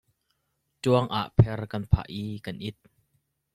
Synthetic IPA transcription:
tuɐŋʔa̰ʔpʰɛrkɐnpʰa̰ʔikɐnʔɪt̪̚

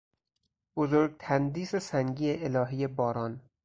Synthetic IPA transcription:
b̥ozoɾɡ̚t̪ʰænd̪iːsesæŋɟiːeelɒːɦiːjebɒːɾɒːn

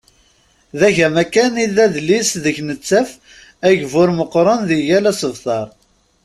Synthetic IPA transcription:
ðæʝæmækæniðæðlːisðəçnət͡sːæf | æʝvʊɾməqːɾˤənðiʝælæsəvθɑɾˤ

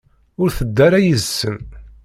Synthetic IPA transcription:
ʊɾθəd̪ːæɾæjəzsːən

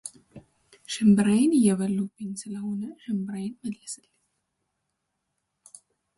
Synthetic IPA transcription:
ʃɨmbɨɾajɪnɨjːɛβəlːubːɨɲsɨləho̞nəʃɨmbɨɾajɪnməlləsɨlːɲ

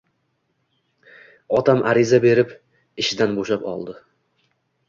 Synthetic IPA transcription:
ɒt̪ʰamʔaɾɪzabe̞ɾɪp | ɪʃɪd̪anboʃapɒ̰lˠd̪ɪ

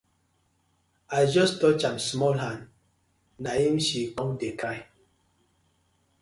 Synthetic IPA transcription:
aɪd͡ʒɔstɔt͡ʃamsmɔlɦãn | nahimʃikɔ̃ŋdekʰaɪ

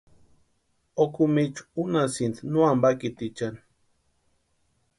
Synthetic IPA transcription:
okumit͡ʃu̥unasint̪nuambakit̪it͡ʃani̥

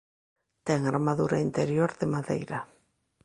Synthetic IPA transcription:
t̪ɛŋaɾmaðuɾaint̪eɾjoɾðɪmaðḛjɾa

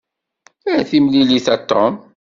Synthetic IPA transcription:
ææθimliliθæt̪ːɔm

